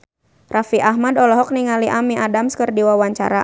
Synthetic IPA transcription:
rafiʔaɦmadɔlɔɦɔk̚niŋaliʔamiʔadamskərdiwawaɲt͡ʃa̰ɾa

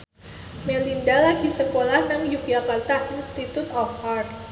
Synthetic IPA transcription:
melindalaɡisəkolahnaŋjukiakart̪ainst̪it̪ut̪ɔfar

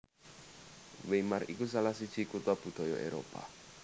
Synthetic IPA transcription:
wemarikus̬alahsid̥ʒ̥i̤kut̪ɔb̥ṳd̪̥ɔ̤jɔʔḛɾo̰pa̰

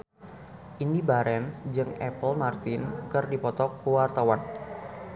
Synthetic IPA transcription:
ʔinibaɾɛnsd͡ʒɨŋɛ̰pəlmart̪ɪnkɨrdipɔt̪ɔkːuwart̪awan

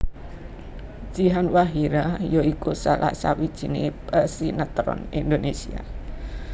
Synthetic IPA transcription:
ʒ̥iɦanwaɦiɾajoikusalʔa̰ʔsa̰wid̥ʒ̥i̤nḛpəsinət̪ɾɔ̰nind̪onesia̰

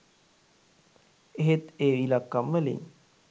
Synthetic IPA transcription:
eɦet̪eːʋilakːamʋəlḭɲ

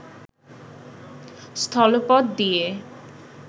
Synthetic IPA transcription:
st̪ʰɔlopɔd̪d̪ie

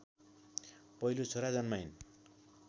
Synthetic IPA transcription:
pʌilot͡sʰoɾad͡zʌnmajn

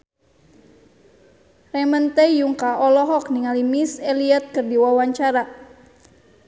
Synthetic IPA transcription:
rɛmənt̪ɛjuŋkaʔɔlɔɦɔk̚niŋalimisɛliɛt̪̚kɨrdiwawaɲt͡ʃaɾa

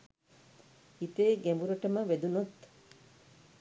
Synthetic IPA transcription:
it̪eːɡembuɾɐʈəməʋed̪unot̪

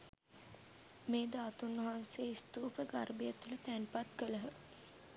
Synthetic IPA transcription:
meːd̪aːt̪unːɐɦanseist̪uːpəɡarbijət̪ːulət̪ænpat̪kələɦə

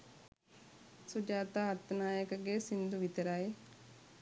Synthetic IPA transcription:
sud͡ʒaːt̪aːt̪ːənaːjəkəɡesind̪uʋit̪ɐɾaːe

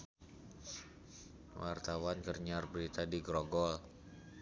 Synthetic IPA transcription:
wart̪awankərɲarbəɾit̪adiɡɾɔɡɔl

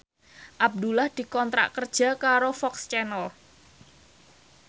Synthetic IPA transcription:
ʔab̚d̪ulahd̪̥i̤kɔnt̪ɾa̰ʔkərd̥ʒ̥a̤kaɾofɔkst͡ʃɛnəl

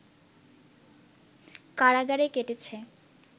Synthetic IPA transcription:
kaɾaɡaɾekeʈet͡ɕʰe

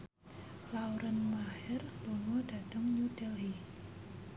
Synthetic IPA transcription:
lawɾənmahɛrloŋɔdat̪əŋɲudɛlɦi

